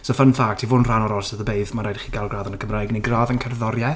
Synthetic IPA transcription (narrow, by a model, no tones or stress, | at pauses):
sɔfənfaɡ̥̚tʰivʊnr̥anɔɾɔlˠsəðəbeɨðmaɾajdχiɡalˠɡraːðənəkʰəmrajɡneɡraːðənkʰɛrðɔɾjɛ